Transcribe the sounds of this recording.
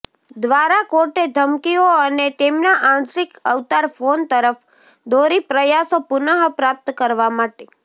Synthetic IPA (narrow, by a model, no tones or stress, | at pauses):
d̪ʋaɾakoɾʈed̪ʱəmkioənet̪emnaʔãnt̪ɾikəʋt̪aɾfont̪əɾəf | d̪oɾipɾəjasopʊnəɦpɾap̚t̪kəɾʋamaʈe